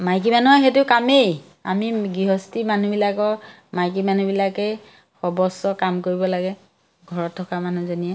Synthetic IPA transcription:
majk̬imanuɦɔxet̬ʊkamej | a̰miɡiɦɔstimanubilakɔ | majk̬imanubilakɛ | xɔbɔsɔkamkoɹibɔlaɡɛ | ɡʱɔɹɔtʰːɔkamanuzonijɛ

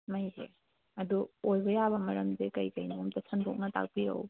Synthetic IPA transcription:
mɐjɦḛ | ɐduojbɐjabɐmɐɾɐmzekɐjkɐjnumtɐsʰɐnbok̚nɐta̰k̚piɾɐ̰w

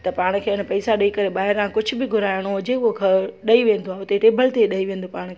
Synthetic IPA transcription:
t̪ɐpaːɽ̃̆kʰeːɪn̆pɐisaɗɐikɐɾeɓaːɦɪɾãkʊd͡ʑʱʊ̆bɪɡʱʊɾaːɪɽ̃oɦʊd͡ʑeʊɦokʰɐɗɐiʋẽːnd̪oaːʊt̪eʈeːbʱəlt̪eɗɐiʋẽːn̆d̪opaːɽ̃kʰeː

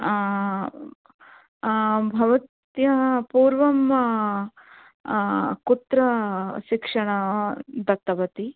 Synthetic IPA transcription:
bʱɐʋɐt̪ | jɐpuːɾʋɐm | kut̪ɾɐʃikʂɐɳɐd̪ɐt̪ːɐʋɐt̪i

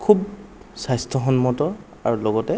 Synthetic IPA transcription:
kʰub | sajstʰɔɦɔnmɔtɔ | aɹulɔɡɔtɛ

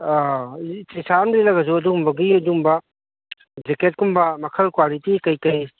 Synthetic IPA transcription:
tejsanɾilɐɡɐzuɐdumbɐɡiɐdumbɐ | d͡ʒeket̚kumbɐmɐkʰɐlkwalitikɐjkɐj

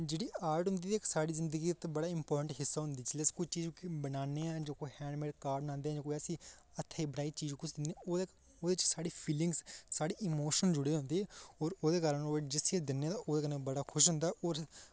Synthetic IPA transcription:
d͡ʒeːɽiːaːɾʈɦʊ̃nd̪iːiːksaːɽiːzɪnd̪əɡiːt̪ːbəɽaːɪmpɔːɾʈə̃ɳʈɦɪsːaːɦʊ̃nd̪iːt͡ʃlɛskʊit͡ʃiːd͡ʒkbənaːneːɛ̃ːd͡ʒoːkoiːhɛ̃ːɳɖmeːɖkaːɾɖbənãːnd̪eːɛ̃ːd͡ʒõːkoːiəsĩː | ət̪ʰːeːbəɽaːit͡ʃiːd͡ʒkʊt͡ʃʰd̪ɪnd̪ẽoː | oːd̪eːt͡ʃsaːɽiːpʰiːlɪ̃ŋɡssaːɽiːɪmoːʃənd͡ʒʊɽeːɦʊ̃nd̪eːɔːɾoːd̪eːkaːɾənoːd͡ʒɪset͡ʃd̪ɪnːẽːt̪ãʔoːd̪eːkənebəɽaːkʰʊʃɦʊ̃nd̪aːʔoːɾ

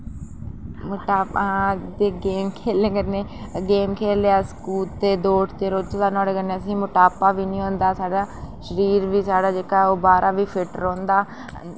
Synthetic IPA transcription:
məʈaːpːd̪eːɡeːmkʰeːlẽːɡəɾneːɡeːmkʰeːleaːskuːt̪eːd̪oːʈt̪eːɾoːt͡ʃːd̪aːnɔ̃ːɽeːɡənẽːəsĩːmʊʈaːpaːʋiːnĩːõːnd̪aːsaːɽaːʃəɾiːɾʋiːsaːɽaːd͡ʒeːkaːoːbaːɾʔaːʋiːpʰɪʈəɾõːnd̪aː

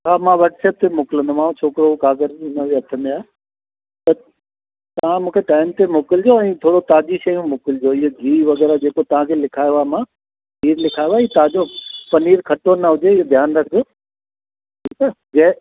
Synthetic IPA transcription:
ɦaːmãʋɐɾʈsɛːp̚t̪ʰemʊːkɪlə̃nd̪omãːũt͡ɕʰoːkɪɾokaːɡəɾɪnəʋeɐt̪ʰə̃n̆d̪iaːe | t̪ɐ | t̪ɐɐʋ̤ãmũːkʰeʈaːɪmt̪emoːkɪld͡ʑoɛ̃ːt̪ʰoːɽot̪aːd͡ʑiʃɐjũmʊːkɪld͡ʑoɪɦoɡʱiːʋɐɡɛːɾad͡ʑeːkot̪ɐʋ̤ãkʰeːlɪkʰaːjoaːemã | ɦiːɾlɪkʰaːjoaːɦit̪aad͡ʑopɐniːɾkʰɐʈonɐɦʊd͡ʑeɪɦod̪ʱjaːnɾɐkʰd͡ʑoː | ʈʰiːka | d͡ʑɐ̃

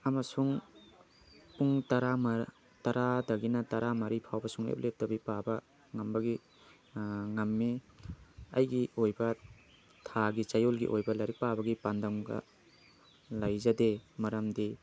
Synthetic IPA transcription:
ɐmɐsuŋ | puŋtɐɾam | tɐɾadɐɡinɐtɐɾamɐɾipʰawbɐsuŋlḛp̚lep̚tɐbipabɐ | ŋɐmbɐɡi | ŋɐmːi | ɐ̰jɡiojbɐ | tʰaɡit͡ʃajolɡḭʔojbɐlɐɾik̚pabɐɡipandɐŋɡɐ̰ | lajzɐdemɐɾɐmdi

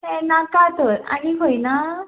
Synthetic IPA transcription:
ɦɛ̃nakat̪oɾa̰ɽ̃iɦojna

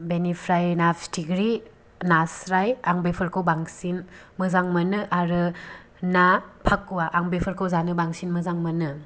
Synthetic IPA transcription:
benipʰɾajnapstʰiɡɾi | nasɾajaŋbepʰɯɾkʰɯwbaŋsinmɯzaŋmɐnɯʔaɾɯ | napʰakːuwaʔaŋbepʰəɾkʰowzanɯbaŋsinmɯzaŋmənɯ

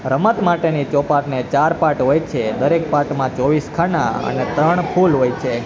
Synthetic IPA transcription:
ɾəmət̪maʈenit͡ʃɔpaʈnet͡ʃaɾpaʈɦojt͡ʃʰed̪əɾek̚paʈmãt͡ʃɔʋiskʰanaə̰net̪ɾəɳpʰulɦojt͡ʃʰe

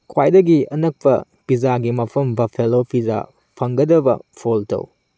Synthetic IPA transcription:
kʰwajdɐɡiɐnɐk̚pɐ̰ | bizaɡimɐpʰɐmbɐpʰelopʰiza̰ | pʰɐŋɡɐdɐbɐ̰pʰoltɐ̰w

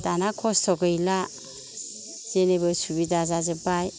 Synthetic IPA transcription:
d̥anakʰɔstʰɔɡɯjla | z̥enebɯsubidazazebaj

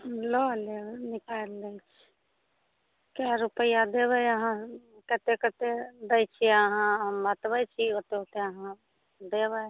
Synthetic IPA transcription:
lolenɪkaelːət͡ʃʰ | kaɾupəjad̪ebəəɦãkət̪ekət̪ed̪əjt͡ʃʰiəɦãɦəmːət̪bət͡ʃʰiot̪eot̪eəɦã | d̪ebə

